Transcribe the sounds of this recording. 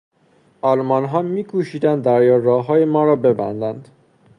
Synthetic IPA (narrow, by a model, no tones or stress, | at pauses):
ʔɒlmɒnɦɒːmiːkʰuʃiːd̪ænd̪ːæɾjɒːɾɒːɦɒːjemɒːɾɒːbe̞bæ̰nd̪ænd̪̥